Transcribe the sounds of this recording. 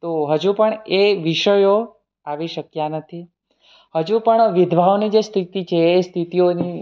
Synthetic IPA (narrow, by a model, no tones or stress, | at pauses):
t̪oɦəd͡ʒũpəɳeʋiʃəjo | aʋiʃəkjanət̪ʰi | həd͡ʒũpəɳʋɪd̪ʱʋʱaʋnid͡ʒest̪ʰit̪it͡ʃʰeːst̪ʰit̪ioni